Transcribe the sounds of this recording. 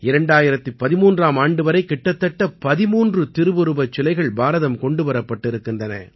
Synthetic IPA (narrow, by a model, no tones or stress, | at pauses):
ɪɾɐɳɖaːjɪɾɐt̪ːɯpɐðɪmuːndraːmaːɳɖɯʋɐɾɐɪkːɪʈːɐt̪ːɐʈːɐpɐðɪmuːndrɯt̪ɪɾɯbɯɾɯbɐt͡ʃːɪlɐɪɣɐɭbaːɾɐðɐmkɔɳɖɯʋɐɾɐpːɐʈːɪɾɯkːɪndrɐnɐ̰